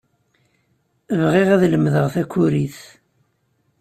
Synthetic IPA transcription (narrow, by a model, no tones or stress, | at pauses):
əvʁiʁæðləmðəʁθækːʊɾiθ